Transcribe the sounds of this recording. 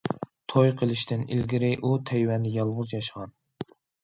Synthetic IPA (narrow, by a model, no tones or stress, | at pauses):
t̪ʰojqʰəlˠɪʃt̪ʰɪnḭlɡʲiɾɪʔut̪ʰɛjwɛnd̪ɪjɑlˠʁʊzjɑʃəʁɑn